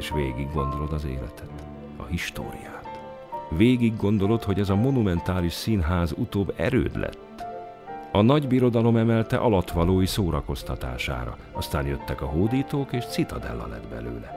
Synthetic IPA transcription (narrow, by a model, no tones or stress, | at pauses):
eʃʋeːɡiɡːo̞nd̪o̞lo̞d̪ɒzḛːlɛ̰t̪ʰɛt̪ | ɒ̰ɦiʃt̪o̰ːɾḭjaːt̪ | ʋeːɡiɡːo̞nd̪o̞lo̞t̪ho̞ɟɛzɒmonumɛnt̪aːliʃsiːnɦaːzut̪oːbːɛ̰ɾø̰ːd̪lɛ̰t̪ː | ɒnɒɟbiɾo̞d̪ɒlo̞mɛmɛlt̪ɛ̰ʔɒlɒt̪ʋɒloːjisoːɾɒko̞st̪ɒt̪a̰ːʃa̰ːɾɒ̰ | ɒst̪aːnjøt̪ːɛkɒɦoːd̪iːt̪oːkeːʃt̪sit̪ɒd̪ɛ̰lːɒ̰lɛ̰d̪bɛ̰lø̰ːlɛ